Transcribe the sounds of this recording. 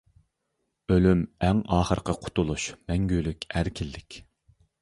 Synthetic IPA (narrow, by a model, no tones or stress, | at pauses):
ølymæŋɑːχəɾqʰɑqʰʊ̥t̪ʰʊlˠuʃmɛŋɡʲylykʲæɾkʲʰilːɪkʲ